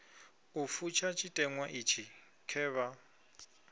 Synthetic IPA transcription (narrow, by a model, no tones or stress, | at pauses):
ufut͡ʃʰat͡ʃʼitʼɛŋwaʔit͡ʃʰi | kʰɛːβa